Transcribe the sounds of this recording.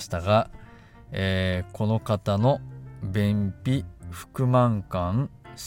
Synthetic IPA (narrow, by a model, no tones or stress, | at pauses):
ɕi̥t̪aɡa | eːko̞no̞kat̪ano̞bẽmpʲiɸɯ̟̥kɯ̟mãŋkãɴs